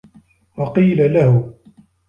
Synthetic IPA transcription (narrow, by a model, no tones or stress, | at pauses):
wɑqiːlalahʊ